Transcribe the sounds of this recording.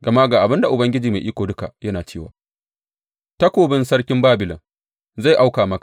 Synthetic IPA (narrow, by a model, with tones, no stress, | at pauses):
ɡɐ˨ma˦ɡaː˨ʔa˨bɪ˦nda˨ʔʊ˨bɐ˦ŋɡʲɪ˦d͡ʒiː˨ma˨ʔiː˦kʷoː˨dʊ˦ka̰˨jɐ˦naː˨t͡ʃeː˦˨wa̰ː˨ | tɐ˦kʷoː˨bɪ˦nsɐ˦ɽkʲɪ˦mbaː˦bɪ˨lɐ˨ŋ | za˦˨jʔa˦wkaː˨mɐ˦kḁ˨